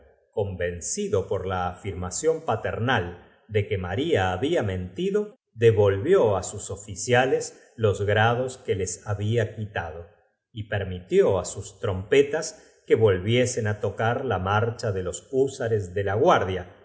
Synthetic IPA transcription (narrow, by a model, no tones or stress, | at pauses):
ko̞mbe̞nsiðo̞po̞ɾlaːfiɾmasjo̞mpat̪eɾnal | d̪e̞kemaɾiaːβiamẽ̞nt̪iðo̞ | ðeβo̞lβjo̞asuso̞fisjales | lozɣɾaðo̞ske̞lesaβiakit̪að̞o | ipeɾmit̪joasust̪ɾo̞mpet̪as | ke̞βo̞lβje̞se̞nat̪o̞kaɾlamaɾt͡ʃaðe̞lo̞susaɾezðe̞laɣwaɾðja